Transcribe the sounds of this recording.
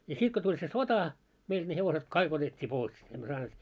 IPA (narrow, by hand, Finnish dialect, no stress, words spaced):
jɑ sit ko tulʲ se sotɑ meild̥ ne heʋoset kɑik otetʲːiː pois emːø sɑːneːt